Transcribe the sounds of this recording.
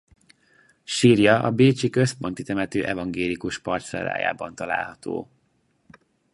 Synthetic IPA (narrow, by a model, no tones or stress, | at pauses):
ʃirjɒʔɒbeːt͡ʃikø̞spo̞nt̪it̪ɛmɛt̪øːʔɛvɒŋɡeːlikuʃpɒrt̪sɛ̰ɾːa̰ːja̰ːbɒnt̪ɒla̰ːlɦɒt̪o̰ː